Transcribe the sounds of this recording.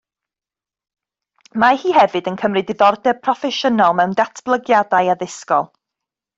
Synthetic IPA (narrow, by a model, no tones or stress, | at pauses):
mahiːɦɛvɨdənkʰəmrɨdɪðɔrdɛ̥pʰrɔfɛʃənɔlˠmɛwndatʰb̥lˠəɡjadajaðɪskɔlˠ